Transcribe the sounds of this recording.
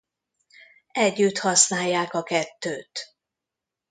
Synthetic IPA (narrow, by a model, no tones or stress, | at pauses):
ɛɟːyt̪hɒsnaːjːaːkɒkɛt̪ːøːt̪